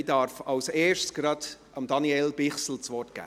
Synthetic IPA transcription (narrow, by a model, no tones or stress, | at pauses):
dɑɾfɑʊseːʃtsɡ̥ɾɑd | ɑmdɑniɛlbɪχsl̩t͡sʋɔrt̚ɡ̥æ̰ː